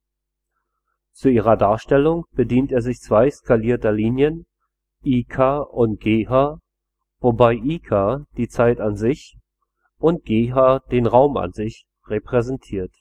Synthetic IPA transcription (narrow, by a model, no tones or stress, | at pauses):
t͡suiːʁ̞ɐdaːɐʃtɛlʊŋb̥ədiːntʔeːɐzɪçt͡sv̥aɪskʰaliːɐtɐliːnjən | ʔiːkʰaːʔʊnt̚ɡ̥eːhaː | vobaɪʔiːkʰaːd̥iːt͡saɪtanzɪç | ʔʊnt̚ɡ̥eːɦaːd̥eːnʁaʊma̰nzɪç | ʁepʁ̥ɛzɛntʰiːɐt